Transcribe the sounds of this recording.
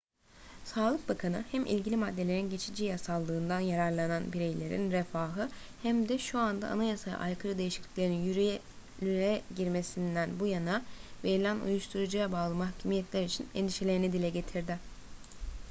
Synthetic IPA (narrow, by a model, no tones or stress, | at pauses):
saːlˠɯk̚bakʰanɯhæmʔḭlʲɟilʲimad̪ːe̞lʲe̞ɾinɟe̞t͡ʃʰid͡ʒijasalˠːɯːnd̪anjaɾaɾlˠananbiɾejlʲe̞ɾḭnɾefaːɦɯ | hæmd̪ɛʃuand̪a̰ʔa̰najasaja̰ʔa̰jkʰɯɾɯd̪ejiʃiclʲiclʲeɾinjyɾyjɛ | lʲynɛɟiɾme̞sind̪ænbujanave̞ɾilʲænṵjuʃt̪ʰuɾud͡ʒɯjabaːlˠɯmahcʰymijɛt̪lʲæɾit͡ʃʰinend̪iʃelʲe̞ɾinid̪ilʲɛɟe̞t̪ʰiɾd̪ɪ